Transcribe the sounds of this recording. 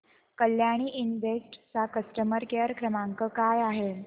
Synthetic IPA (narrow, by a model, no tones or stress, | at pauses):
kəljaɽ̃iːʔinʋek̚ʈt͡sakəsʈəməɾkeɾkɾəmaŋkəkajaɦe